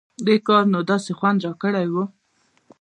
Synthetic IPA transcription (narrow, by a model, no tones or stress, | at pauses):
d̪ekɑɾnod̪ɑsexwand̪ɾɑkəɽajwu